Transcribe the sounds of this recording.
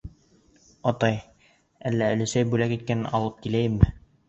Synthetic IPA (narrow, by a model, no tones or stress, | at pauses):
ɑt̪ɑj | ælːæɘ̆lɘ̆sæjbʉlækit̪̚kænɘnʔɑlˠɤp̚kilæjɘmːɘ